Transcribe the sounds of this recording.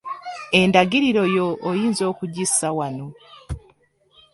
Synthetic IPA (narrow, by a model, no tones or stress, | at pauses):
e̞ndaɡiɾiɾo̞jo̞ːjiːnzo̞ːkuɟisawano̞